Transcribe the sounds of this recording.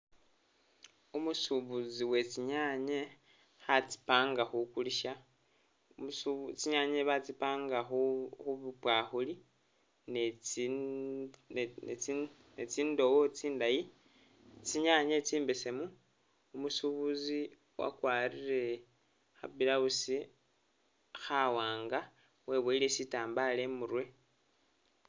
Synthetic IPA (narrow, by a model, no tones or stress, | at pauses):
umusuβuziwe̞t͡siɲaɲe | hat͡si̥paːŋɡaxukuliʃa | t͡ʃiɲaɲeβat͡sipaːŋɡaxuxuβupwaxuli | n | e | net͡siːndo̞wot͡siːndaji | t͡siɲaɲet͡siːmbe̞se̞mu | umusuβuzi | wa̰kwaɾire̞ | xa̰bilausi | xawaːŋɡa | we̞βeile̞sitaːmbale̞muɾwe̞